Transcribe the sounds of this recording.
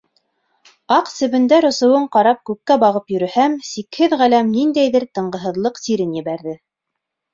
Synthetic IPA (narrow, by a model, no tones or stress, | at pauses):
ɑqsɘ̆βɘ̆nd̪æɾŏsɤ̆wɤɴqɑɾɑp̚kʉkːæbɑʁɤpjɵ̆ɾɘ̆hæmsikhɘðʁælæmnind̪æjðɘɾt̪ɤ̆ɴɢɤ̆ɦɤ̆ðlˠɤqsiɾɘnjɘ̆βæɾðɘ